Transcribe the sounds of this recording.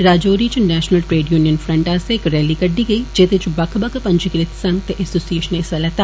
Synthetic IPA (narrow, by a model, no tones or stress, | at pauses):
ɾaːd͡ʒoːɾit͡ʃnɛːʃnəlʈɾeːɖjuːnijənfɾɐ̃ɳʈaːseɪkɾɛːlikɐɖːiɡəiːd͡ʒeːt̪et͡ʃbɐkʰbɐkʰpɐ̃ɲd͡ʒɪkɾɪt̪sɐ̃ŋɡ̚t̪eʔɛsoːsieːʃənesɐlɐt̪aː